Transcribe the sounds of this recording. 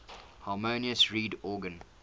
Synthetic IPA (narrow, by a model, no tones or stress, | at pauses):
hɑːmoniəsɹiːdɔːɡə̃n